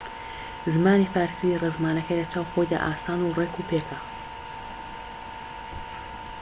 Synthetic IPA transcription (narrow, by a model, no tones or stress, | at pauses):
zɨmaːnifaːɾsirezmaːnɐkɐjlɐt͡ʃaːwxojd̪a̰ʔaːsaːnurekupʰeːkʰɐ